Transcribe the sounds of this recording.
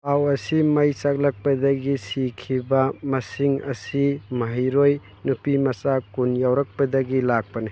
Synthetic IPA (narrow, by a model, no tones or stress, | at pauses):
awɐsimɐjsak̚lɐk̚pɐdɐɡisikʰibɐmɐsiŋɐ̰simɐɦijɾoj | nupimɐsakunjawɾɐk̚pɐdɐɡilak̚pɐni